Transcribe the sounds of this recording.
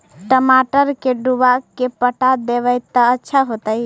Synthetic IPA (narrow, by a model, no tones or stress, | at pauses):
ʈəmaʈəɾkeɖuʋakepəʈad̪eʋəjt̪ːəətːʃʰaɦot̪əj